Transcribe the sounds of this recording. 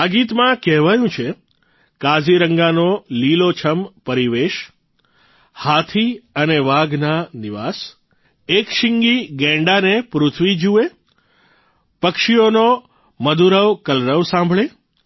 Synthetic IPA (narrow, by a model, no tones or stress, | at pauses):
aɡit̪mãkɛɦʋajũt͡ʃʰe | kad͡ʒiɾəŋɡanolilot͡ʃʰəmpəɾiʋeʃ | hat̪ʰiəneʋaɡnaniʋas | ekʃɪŋɡiɡɛ̃ɳɖanepɾʊt̪ʰʋid͡ʒue | pəkʃiono | məd̪uɾəʋkəlɾəʋsãmbʱɭe